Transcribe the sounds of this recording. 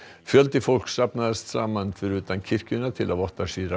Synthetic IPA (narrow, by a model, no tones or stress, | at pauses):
fjœlt̪ɪfɔlksapnaəst̪ʰɾamːanfɔɾʉ̟ːt̪ankʰɪɾkʉnat̪ʰɪlʔavɔt̪ːaʂyːɾa